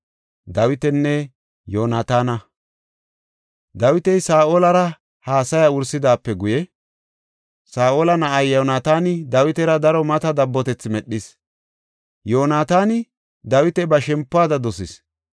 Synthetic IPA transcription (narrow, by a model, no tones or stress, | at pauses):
d̪ɐwɪt̪ɛnːɛ | joːnaːt̪aːnɐ | d̪ɐwɪt̪ɛjsaːʔoːlɐɾɐ | haːsɐjaʊɾsɪd̪aːpːɛɡʊjɛ | saːʔoːlɐnɐʔɐjːonaːt̪aːnɪd̪ɐwɪt̪ɛɾɐd̪ɐɾɔmɐt̪ɐd̪ɐbːɔt̪ɛt͡sːɪmɛɗːɪs | joːnaːt̪aːnɪ | d̪ɐwɪt̪ɛbɐʃɛmpːaːd̪ɐd̪ɔsɪs